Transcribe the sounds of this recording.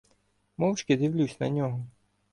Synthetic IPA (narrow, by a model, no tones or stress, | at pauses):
mɔwt͡ʃkʲɪd̪ɪwlʲusʲnɐ̰nʲɔɦɔ